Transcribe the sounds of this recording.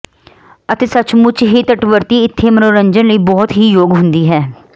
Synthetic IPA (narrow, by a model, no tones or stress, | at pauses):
ət̪eːsət͡ʃmʊt͡ʃɦiːt̪əʈʋəɾt̪iːɪt̪ʰːeːmənoːɾəɲd͡ʒənləiːbɔːt̪ɦiːjoːɡɦʊnd̪iːɦɛː